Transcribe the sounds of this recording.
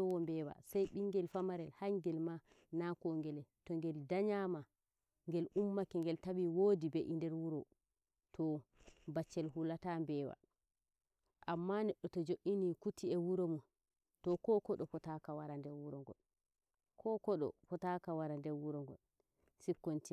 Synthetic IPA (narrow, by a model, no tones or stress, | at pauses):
ɔwɔmbɛːwa̰sajɓiŋɡɛlfamaɾɛlhaŋɡɛlma | nakɔŋɡɛlɛtɔŋɡɛldaɲama | ŋɡɛlʔumːakɛŋɡɛltaɓiwoːdibɛʔindɛɾwuɾɔ | tʰɔbat͡ʃːɛlɦulatambɛːwa̰ | ʔamːanɛɗːɔtɔd͡ʒoʔinikutiɛwuɾomu | tɔkɔkɔɗɔpɔtakawaɾandɛwuɾɔŋɡɔ̰l | kʰɔkɔɗɔ̰pɔtakawaɾandɛwuɾɔŋɡɔ̰l | sikːonti